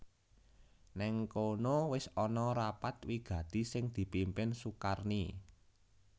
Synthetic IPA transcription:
nɛŋkonowɪsɔnɔɾapat̪wiɡ̥ä̤d̪̥i̤sɪŋd̪̥i̤pimpɪnsukarni

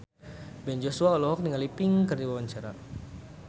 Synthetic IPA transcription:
bɛnd͡ʒosuaɔlɔɦɔk̚niŋalipɪŋkərdiwawaɲt͡ʃaɾa

